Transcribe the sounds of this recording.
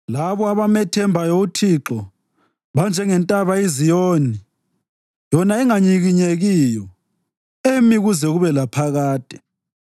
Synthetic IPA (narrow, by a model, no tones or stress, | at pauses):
laβɔaβamɛtʰɛmbʱajoutʰiǁɔ | βand͡ʒʱɛŋɛntʼaβaizijoːni | jɔnaɛŋaɲiɣiɲeɣiːjɔ | emiɣuzɛɣuβɛlapʰaɣaːtʼɛ̥